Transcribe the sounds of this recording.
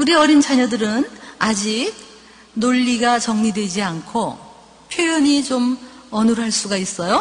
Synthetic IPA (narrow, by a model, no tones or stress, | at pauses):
uɾiʌɾint͡ɕʰaɲʌdɯɾɯnad͡ʑik̚ | noʎːiɡat͡ɕʌŋɲidwe̞d͡ʑiankʰo | pʰjojʌɲit͡ɕom | ʌnɯɾɦaɭs͈uɡais͈ʌjo